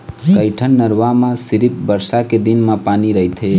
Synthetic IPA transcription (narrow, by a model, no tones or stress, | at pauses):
kəɪʈʰənːəɾʋamãsiɾip̚bəɾsaked̪inmãpaniɾəɦit̪ɦe